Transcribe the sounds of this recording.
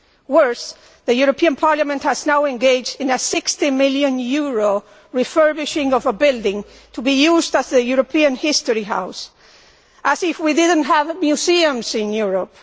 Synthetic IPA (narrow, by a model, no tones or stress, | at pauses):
wɜ˞s | ðɨjuɹopʰiɨ̃npʰɑɹlamɨ̃nthɨznaʊɨ̃nɡeɪd͡ʒdɨ̃nɨsɪkstimɪlˠjɨ̃njuɹo | ɹifɜ˞bɪʃɪ̃ŋʌvəbɪlˠdɪ̃ŋ | tʰubijuzdəzðɨjuɹopʰiɨ̃nhɪstəɹiɦa̰ʊs | ʔəzɪfwidɪdⁿn̩tɦəvmjuziɨ̃mzɪ̃njuɹəp̚